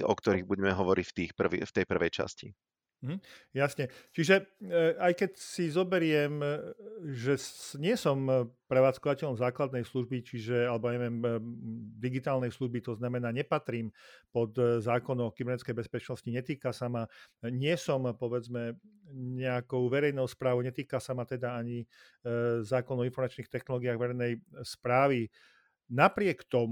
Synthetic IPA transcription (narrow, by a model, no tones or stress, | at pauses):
ɔ̰kt̪ɔɾiɣbuɟɛmɛɦɔʋɔɾʔḭcft̪iːxpr̩ʋḭft̪ɛjpr̩ʋɛjt͡ʃa̰scḭ | m̩ɦm̩jasɲɛt͡ʃiʒɛajkɛcsizɔbɛɾɪɛm | ʒɛsɲɪɛsɔmpɾɛʋaːt͡skɔʋacɛʎɔmzaːklad̪nɛjsluʒbit͡ʃiʒɛalɛbɔjaɲɛʋɛːm | d̪iɡit̪aːlnɛjsluʒbit̪ɔznamɛnaːɲɛpat̪ɾiːmpɔt̪zaːkɔnɔʊkibɛɾnɛtt͡skɛjbɛspɛt͡ʃnɔsciɲɛt̪iːkasamaɲɪɛsɔmpɔʋɛd͡zmɛɲɛakɔʊʋɛɾɛjnɔʊspɾaːʋɔʊɲɛt̪iːkasamat̪ɛd̪aaɲi | zaːkɔnɔinfɔɾmat͡ʃniːxt̪ɛxnɔlɔːɡiaɣʋɛɾɛjnɛjspɾaːʋi | napɾɪɛkt̪ɔm